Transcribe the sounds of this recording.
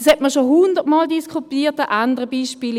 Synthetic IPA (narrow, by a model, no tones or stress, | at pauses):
shɛtməʃoɦʊndəʁtmɑːldiskʰupiːtəʔandəʁəbiːʃpiːl